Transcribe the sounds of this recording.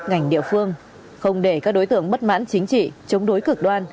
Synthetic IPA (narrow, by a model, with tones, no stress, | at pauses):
ŋa˨˩jŋ̟ɗḭ˧˨əfɨ˧əŋ | xə˧wŋ͡mɗe˧˩kaː˦˥k̚ɗo˨˦jt̪ɨ̰˧˨əŋɓə˦˥t̚ma̰ː˧˥nt͡ɕï˨˦ŋ̟t͡ɕḭ˧˨t͡ɕə˨˦wŋ͡mɗo˨˦jkɨ˨˩k̚ɗwaː˧n